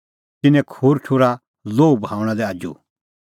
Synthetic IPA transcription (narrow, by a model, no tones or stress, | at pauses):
t̪ɪnɛ̃kʰuːɾʈʰuɾa | loːubãːʊ̃ɽ̃ãd̪ɛaːd͡ʒṵ